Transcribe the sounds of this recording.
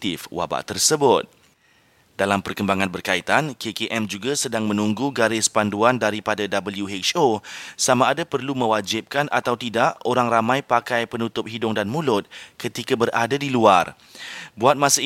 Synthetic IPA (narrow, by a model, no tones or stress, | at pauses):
t̪ɪfwa̰ba̰ʔt̪ərsəbʊt̪̚ | d̥alampərkəmbaŋãnbərkait̪ankʰekeʔɛmd͡ʒuɡasədaŋmə̃nũŋɡuɡaɾɪspanduandaɾipadadabəljuɦɛt͡ʃosamaːdapərlumə̃wad͡ʒɪp̚kanʔa̰t̪awt̪idaʔoɾaŋramãjpakajpənut̪ʊp̚ɦidʊŋdanmũlʊt̪̚kət̪ikabəradadiluar | buat̪̚mãsa